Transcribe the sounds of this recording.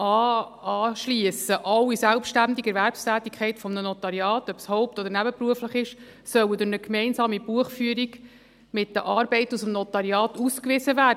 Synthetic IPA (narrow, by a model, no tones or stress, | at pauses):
ɑːɑːʃliəsəʔɑwisælpʃtændiɡɛɾvæɾpstæːt̪ikʰχɛɪtfɔmnənɔt̪ɑɾjɑːtœpshɔwp̚tɔd̪əɾnæbəpɾuəfləχɪʃ | sœwədʊɾnəkmɛɪnsɑːmib̥uəχfyəɾiɡ | mɪt̚d̥əʔɑːɾbɛɪtusəmnɔtɑɾjɑːtuskʋɪzəvæː